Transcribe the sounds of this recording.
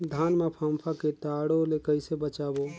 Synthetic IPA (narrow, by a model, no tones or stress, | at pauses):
d̪ʱaːnmapʰə̃mpʰaket̪aːɽolekəɪsebət͡ʃaːbo